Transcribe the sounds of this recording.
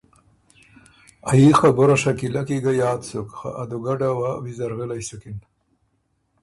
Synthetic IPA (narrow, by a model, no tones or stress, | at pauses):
ajixaboɾaʂakilakiɡajaːt̪sukxa̰ʔad̪uɡaɖawawizaɾɣəlajsukin